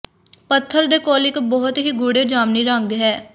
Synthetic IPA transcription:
pət̪ʰːəɾd̪eːkoːlɪkbɔːɦʊt̪ɦiːɡʊːɽeːd͡ʒaːmniːɾəŋɡɦɛː

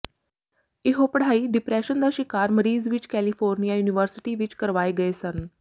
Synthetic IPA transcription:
ɪɦopəɽ̤aːiːɖɪpɾɛːʃənd̪aːʃɪkaːɾməɾiːzʋɪt͡ʃkɛːlipʰoːɾnijaːjuːnɪʋəɾsɪ̥ʈiːʋɪt͡ʃkəɾʋaːeɡəesən

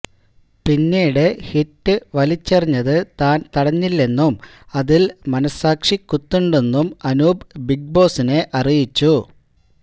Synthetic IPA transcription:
pinːiːɽehitːɨʋɐlit͡ɕːɐriɲːɐðɨt̪aːnt̪ɐɽɐɲːilːe̞nːum | ɐðilmɐnɐsaːkʂikːut̪ːuɳɖe̞nːumɐnuːbbiɡ̚bo̞ːsine̞ʔɐrijit͡ɕːu

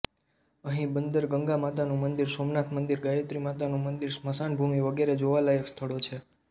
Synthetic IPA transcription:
əɦĩbənd̪əɾɡəŋɡamat̪anũmənd̪iɾsomnat̪ʰmənd̪iɾɡajət̪ɾimat̪anũmənd̪iɾsməsanbʱumiʋəɡeɾed͡ʒoʋalaekst̪ʰəɭot͡ʃʰe

